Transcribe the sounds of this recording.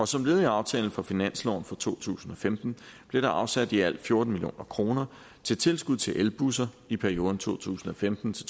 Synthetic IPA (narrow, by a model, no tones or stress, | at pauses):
ɒ̽sɒ̽mle̝ːðˠiɑ̈ʊt͡sʰɛ̰ːl̩fɒfinæn̰slɒ̰ʊ̰n̩fɒt͡sʰo̝̰ːt͡sʰṵːsn̩ɒ̽femd̥n̩b̥le̝ɾ̥ɑ̈ʔɑ̈ʊsæd̥iæl̰d̥fjo̝ɐd̥n̩milijo̝̰ːnʔɐkʰʁo̝ːnɐ | t͡sʰe̝lt͡sʰe̝lsɡ̥uðˠt͡sʰe̝lʔelb̥usɐ | ipʰæɐio̝ːðˠn̩t͡sʰo̝̰ːt͡sʰṵːsn̩ɒ̽femd̥n̩t͡sʰe̝